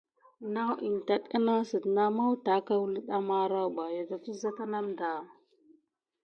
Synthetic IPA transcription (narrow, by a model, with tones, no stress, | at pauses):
na˦wʔi˨n˨ta˦ɗka˦na˦sə˨dna˦ma˦wta˨˦ka˦wlə˦ɗa˦ma˦ɾa˦˨ba˨ja˨ta˨fi˦za˦ta˦na˦mda˨